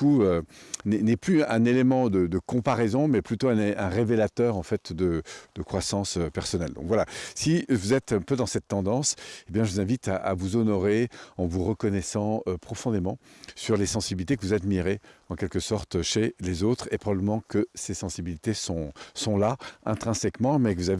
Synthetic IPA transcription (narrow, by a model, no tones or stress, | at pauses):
uønɛnɛplyɛ̃nelemɑ̃d̪əd̪əkɔ̃paʁɛzɔ̃mɛplyt̪oɛ̃nɛ̃ʁevelat̪œːʁɑ̃fɛt̪d̪əd̪̥əkχwasɑ̃søpɛʁsɔnɛld̪ɔ̰̃kvwalasivuzɛt̪ɛ̃pød̪ɑ̃sɛt̪ːɑ̃d̪ɑ̃sebjɛ̃ʒəvuzɛ̃vit̪a̰ʔa̰vuzɔnɔʁeɑ̃vuʁəkɔnɛsɑ̃øpχɔfɔ̃d̪emɑ̃syʁlesɑ̃sibilit̪ekəvuzad̪miʁeɑ̃kʲɛlkəsɔʁt̪ʃelezot̪χepχɔbabləmɑ̃kəsesɑ̃sibilit̪esɔ̃sɔ̃laɛ̃t̪χɛ̃sɛkmɑ̃mɛkəvuzav